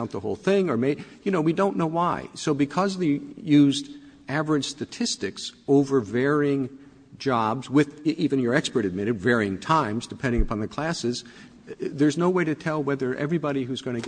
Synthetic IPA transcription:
ʊ̃n̚ðəhoʊlˠθɪ̃ŋə˞meɪjɨnoʊwidõʊ̃nːoʊwaɪsoʊbɨkʰʌzðeɪjʉzd | ævə˞ɨd̥stɨtʰɪstɨksoʊvə˞vɛɹɪ̃ŋ | d͡ʒɑbzwɪðivɨ̃njə˞ɛkspə˞ɾɨd̚mɪɾɨdvɛɹiɪ̃ŋtʰãɪ̃mzdɨpʰɛ̃ndɪ̃ŋɨpʰɑ̃nðɨkʰl̥æsɨz | ðə˞znoʊweɪɾɨtʰɛlˠwɛðə˞ʔɛ̰vɹibɑɾihʉzɡʌñɨ

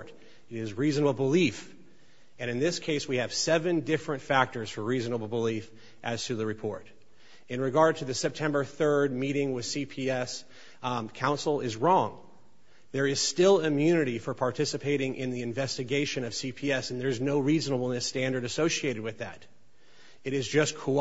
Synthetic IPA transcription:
ɾ | ɨɾɪzɹiznəbl̩ˠbəlif | ɨ̃ñɨ̃nðɪskʰeɪswiɨv̥sɛvɨ̃ndɪfɹɨ̃ntfæk̚tə˞z̥fə˞ɹiznəbl̩ˠbəlif | ʔɨz̥tʰɨðɨɹɨpʰɔ̰ɹɾ | ɨ̃nɹɨɡɑɹd̚tʰɨðɨsɛp̚tʰɛ̃mbə˞θɜ˞d̚miɾɪ̃ŋwɨð̥sipʰiɛs | kʰãʊ̃nsl̩ˠɪzɹɔ̃ŋ | ðə˞ɨz̥stɪlˠɨmjʉnɨɾifə˞pʰɑɹtʰɪsɨpʰeɪɾɪ̃ŋʔɪ̰̃nðiɨ̃ɱvɛstɨɡeɪʃɨ̃nʌv̥sipʰiɛsn̩ðə˞ɨznoʊɹiznəbl̩ˠnɨstæ̃ndə˞ɾɨsoʊʃieɪɾɨd̚wɨðæɾ | ɨɾɨzd͡ʒʌskʰo

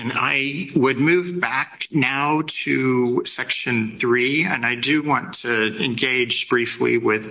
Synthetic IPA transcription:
ɨ̃na̰ɪwɨd̚mʉvbæk̚naʊɾʰɨsɛkʃɨ̃nθɹiɨ̃naɪdɨwɑ̃ntʰɨɨ̃nɡeɪd͡ʒb̥ɹiflḭwɪð̥

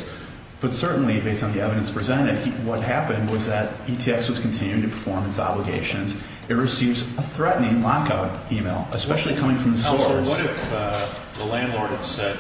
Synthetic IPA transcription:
b̥ʌtsɜ˞ʔn̩libeɪstn̩ðiɛvɨɾɨ̃nspʰɹ̥izɛ̃ɾ̃ɨd̚wʌt̚hæpɨ̃nd̚wʌzðɨɾitʰiɛswʌz̥kn̩tʰɪ̃njʉtʰɨpʰə̥˞fɔɹmɨtsɑ̰bləɡḛɪʃɨ̃nz | ɨt̚ɹɨsivzəθɹɛʔn̩ɪ̃ŋlɑkaʊɾimeɪlˠɨspɛʃl̩ˠikʰʌ̃mɪ̃ŋfɹʌ̃mðəsɔwʌɾɨf | ðəlæ̃ndˡlɔɹɾ̚ɨv̥sɛd̚

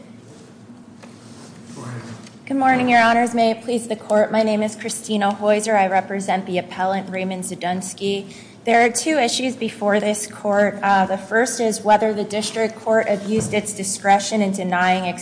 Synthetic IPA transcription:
ɡ̥ʊd̚mɔɹnɪ̃ŋjə˞ɑñə˞zmeɪɨpʰl̥izðɨkʰɔɹt̚maɪnẽɪ̃mɨz̥kʰɹ̥ɨstĩnoʊhɔɪzə˞aɪɹɛpɹɨzɛ̃nðiɨpʰɛlˠə̃nʔɹẽɪ̃mɨ̃nzɨdʌ̃nski | ðə˞ːtʰʉɪʃʉzbɨfɔɹðɪskʰɔɹt̚ðəfɜ˞stɪzwɛðə˞ðɨdɪstɹ̥ɨk̚kʰːɔɹɾɨbjʉzdɨtsd̥ɨskɹɛʃɨ̃nɨ̃ndɨnaɪɪ̃ŋɨk

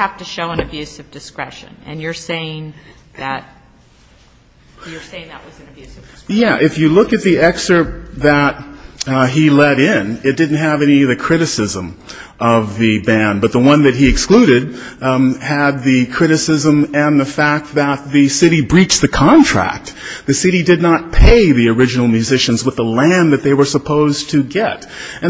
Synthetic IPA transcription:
æftɨʃoʊə̃nɨbjʉsʌvdɨskɹɛʃɨ̰̃nɨ̰̃njə˞seɪɪ̃ŋ | ðɨt̚ | jə˞seɪɪ̃ŋðəʔ̚wʌznbjjæʔɪfjɨlʊkɨt̪̚ðiɛksə˞t̚ðɨt̚ɦilɛɾɪ̃nɨt̚d̥ɪdⁿn̩t̚ɦɨvɛñiʌðɨkʰɹ̥ɪɾɨsɪzə̃mʔʌvðɨbæ̃nbʌt̪̚ðəwʌ̃nðɨt̚ɦiɨksklʉɾɪd̚ | ɨd̪̚ðɨkʰɹ̥ɪɾɨsɪzə̃mɨ̃nðɨfæk̚t̪̚ðət̪̚ðɨsɪɾibɹit͡ʃðɨkʰɑ̃ntʰɹ̥æ̰k̚t̪̚ðɨsɪɾidɨdⁿnət̚pʰeɪðiə˞ɪd͡ʒɨnl̩ˠmjʉzɪʃɨ̃nzwəðəlæ̃nðɨt̪̚ðeɪwə˞səpʰoʊztʰɨɡɛɾ | ɨ̃

